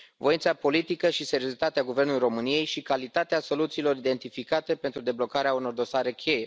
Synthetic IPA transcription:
voint̪sapo̞lit̪ikəʃise̞ɾio̞ɾit̪at̪eaɡuve̞rnulujiɾo̞mɨnije̞jʃikalit̪at̪easo̞lut̪siːlo̞ɾid̪e̞nt̪ifikat̪e̞pe̞nt̪ɾud̪e̞blo̞kaɾeauno̞rd̪o̞saɾe̞kʲʰe̞je̞

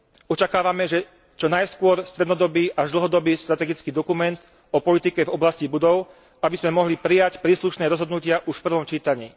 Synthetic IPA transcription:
ɔt͡ʃakaːʋamɛʒɛ | t͡ʃɔnajskʊɔɾst̪ɾɛd̪nɔd̪ɔbiːʔaʒd̪l̩ɦɔd̪ɔbiːʃt̪ɾat̪ɛɡit͡skiːd̪ɔkumɛnt̪ | ɔpɔlit̪ikɛvɔblascibud̪ɔʊ | abizmɛmɔɦlipɾijacpɾiːsluʃnɛːɾɔzɦɔd̪nucɪaʔuʃfpr̩ʋɔmt͡ʃiːt̪aɲḭː

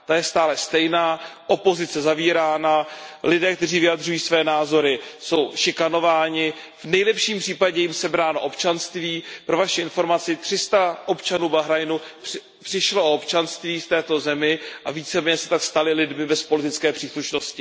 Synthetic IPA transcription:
t̪ajɛst̪aːlɛst̪ɛjnaːʔo̞po̞zɪt͡sɛzaviːɾaːnalɪdɛːkt̪ɛriːvɪjad̪r̝ujiːsvɛːnaːzo̞ɾɪso̞wʃɪkano̞vaːɲɪ | vnɛjlɛpʃiːmpr̥iːpaɟɛjɪmsɛbɾaːnoʔopt͡ʃanst̪viːpɾovaʃɪɪnfo̞ɾmat͡sɪt̪r̥ɪst̪aʔopt͡ʃanuːbaɦɾajnu | pr̥ɪʃloʔoopt͡ʃanst̪viːft̪ɛːt̪o̞zɛmɪʔaviːt͡sɛmɛɲɛsɛ̥t̪akst̪alɪlɪdmɪbɛspolɪt̪ɪt͡skɛːpr̝̥iːsluʃnoscɪ

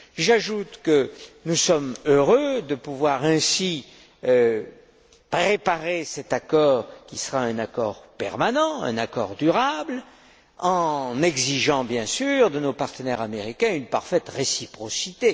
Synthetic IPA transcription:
ʒaʒut̪kənusɔmøʁød̪əpuvwaʁɛ̃si | pχepaʁesɛt̪akɔːʁkʲisəʁaɛ̃nakɔ̰ʁpɛ̰ʁmanɑ̃ɛ̰̃nakɔ̰ʁd̪yʁabl | ɑ̃nɛɡziʒɑ̃bjɛ̃syʁd̪ənopaʁt̪ənɛʁameʁikʲɛ̃ynpaʁfɛt̪ʁesipχɔsit̪e

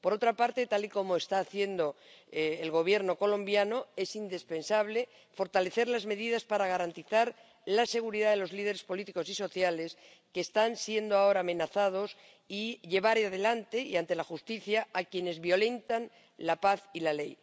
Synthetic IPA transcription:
po̞ɾo̞t̪ɾapaɾt̪e̞t̪aliko̞moest̪aːθje̞nd̪o̞ː | lɣo̞β̞je̞ɾno̞ko̞lõ̞mbjano̞e̞sind̪ispe̞nsaβ̞le̞ | fo̞ɾt̪ale̞θe̞ɾlazme̞ðiðaspaɾaɣ̞aɾant̪iθaɾ | lase̞ɣ̞uɾiðaðe̞lo̞zlið̞e̞ɾe̞spo̞lit̪iko̞siso̞θjale̞s | keːst̪ansje̞nd̪oao̞ɾaːmẽ̞naθað̞o̞s | iʎe̞β̞aɾeaðe̞lant̪e̞iant̪e̞laxust̪iθjaːkje̞ne̞zβjo̞le̞nt̪an | lapaθilale̞j

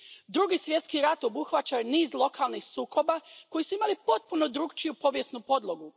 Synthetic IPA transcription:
d̪ɾuɡisʋje̞t̪skiɾat̪o̞buxʋat͡ɕajniːzlˠo̞kalˠnixsuːkʰo̞bako̞jisuimalipo̞t̪̚punod̪ɾuːɡt͡ʃijupo̞ʋje̞snupo̞d̪lo̞ɡu

